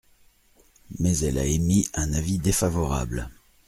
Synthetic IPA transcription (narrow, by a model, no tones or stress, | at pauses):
mɛzɛla̰emiɛ̃navid̪efavɔʁa̰bl